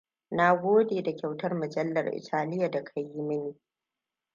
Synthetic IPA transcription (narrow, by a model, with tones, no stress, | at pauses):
na˦ɡʷoː˦deː˨da˨kʲa˨wtɐ˦rmɐ˨d͡ʒɐ˦lːɐ˨rʔɪ̰˨tʰaː˦lɪ˦ja˨da˨kʰɐ˨jːi˦mɐ˦niː˨